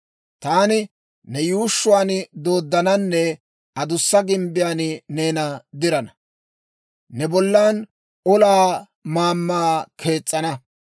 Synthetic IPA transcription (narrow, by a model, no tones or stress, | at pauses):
t̪aːnɪ | nɛjuːʃːʊwaːnɪd̪o̞ːd̪ːɐnɐnːɛ | ɐd̪ʊsːɐɡɪmbɪjaːnɪne̞ːnɐd̪ɪɾɐnɐ | nɛbɔlːaːn | ɔlaː | maːmːaːkʰe̞ːt͡sʼːɐnɐ